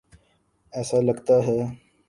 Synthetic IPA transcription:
ɛːsalɐɡt̪aɦɛː

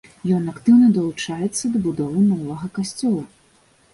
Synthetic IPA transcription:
jɔnakt̪ɨwnɐd̪ɐlˠut͡ʂajɛt̪sːɐd̪ɐbud̪ɔvɨnɔvɐɣɐkasʲt͡sʲɔlˠu

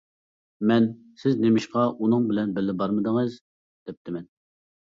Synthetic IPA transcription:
mɛn | sɪznemɪʃqɑʔunɨŋbɪlɛnbɪlːɪbɑɾmɨd̪əŋɨz | d̪̥ɛp̚t̪ʰɪmɛn

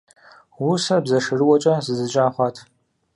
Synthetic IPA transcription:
wusɐbzɐʂɨrɨwɔt͡ʃʼɐzɨzɨt͡ʃʼaːχʷɑːtʰ

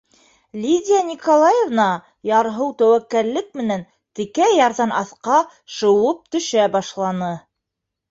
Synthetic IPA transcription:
lʲid̪ʲijanʲikolˠɑjevnɑ | jɑɾɦɤwt̪æwækːæɾlɘk̚mɘ̆næn | t̪ɘ̆kæjɑɾðɑnɑθqɑ | ʃɤ̆wɤp̚t̪ɵ̆ʃæbɑʃlˠɑnɤ

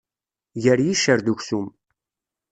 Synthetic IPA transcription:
ʝəɾjiʃəɾðuçsum

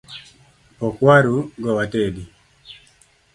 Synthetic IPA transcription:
ɔkwaɾuɡɔwatedi

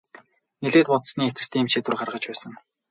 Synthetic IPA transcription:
neɮeːt̪pʊt̪sniːet͡sɘ̆st̪ʰeːm̥t͡ɕeːt̪urχarʁə̆t͡ɕpæːsə̆ŋ

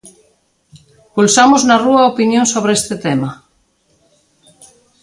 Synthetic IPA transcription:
pulsamoznaruaopinjõnsoβɾeest̪et̪ema

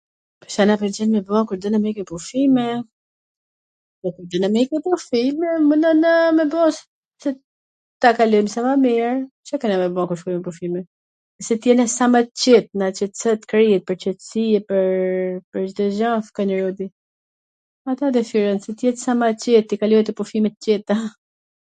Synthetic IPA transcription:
pəsanapɛɾd͡ʑɛnmɛbɔkuɾd̪ənamikɛpufimɛ | ðɛkuɾd̪inamikɛpufimɛmunɔnamɛbɔs | sɛ | t̪akalɔjmsamamiɾ | t͡ʃakɛnamɛbɔkuɾʃkulimɛpufimɛ | ɛsɛt̪jɛnɛsamat̪t͡ɕɛt̪̚nat͡ɕɛt̪t͡sɛt̪kɾiɛt̪̚pəɾt͡ʃɛt̪siɛpəɾpəɾd͡ʒt̪ɛʒafkanəɾɔd̪i | at̪ad̪ɛfiɾɔnsɛt̪jɛt̪samat͡ɕɛt̪ːikalɔɛt̪ɛpɔfimɛt̪cɛt̪a

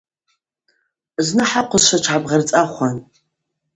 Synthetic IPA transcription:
znɨħaqʷʊzʃʷɐt͡ʃʷʰʕabʁɐrt͡sʼaχʷɔn

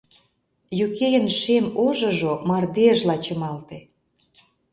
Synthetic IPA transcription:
jukejə̆nʃemoʒɤ̆ʒomɑrd̪eəʒlɑt͡ɕə̆mɑlt̪e

